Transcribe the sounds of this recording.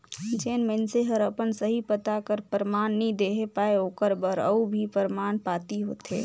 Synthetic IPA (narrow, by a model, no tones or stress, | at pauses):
d͡ʒeːnmenseɦəɾəpənsəɦipət̪akəɾpəɾmaːnːɦĩd̪eːɦepaːeoːkəɾbəɾə̰ubʱipəɾmaːnpaːt̪iɦo̰ːt̪ʰḛː